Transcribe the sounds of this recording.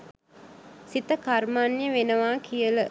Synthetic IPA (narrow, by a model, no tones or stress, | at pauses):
sit̪əkarmaːnjəʋenəʋaːkʰijələ